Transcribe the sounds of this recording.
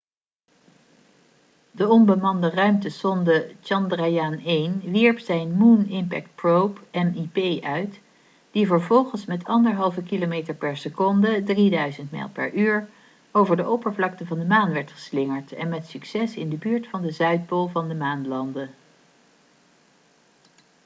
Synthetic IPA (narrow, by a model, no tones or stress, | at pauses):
dəɔmbəmɑndərœɥmtəsɔndət͡ʃɑndrajaːnejnʋiɹpsɛjnmunɪmpɛ̰k̚t̚prowpɛmipejʔœɥt | d̥ivəɹvɔlˠχənsmɛtʰɑndəɹɦɑlˠvəkilomejtəɹpɛɹsəkɔndədridœɥzəntmɛ̰ːlˠpɛ̰ɹʔyːɹ | owvəɹdəʔowpəɹvlɑktəvɑndəmaːnʋɛɹtχə̥slɪŋəɹtɛ̰nmɛtsyksɛsɪndəbyːɹtfɑndəzœɥt̚polˠvɑndəmaːnlɑndə